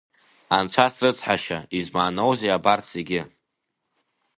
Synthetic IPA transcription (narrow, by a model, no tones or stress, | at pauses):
ant͡ʃʷʰasrɨt͡sʼħaʃaizmaːnowzeabartʰzeɡʲɪ